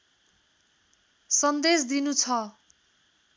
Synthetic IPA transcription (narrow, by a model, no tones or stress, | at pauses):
sʌnd̪esd̪inut͡sʰʌ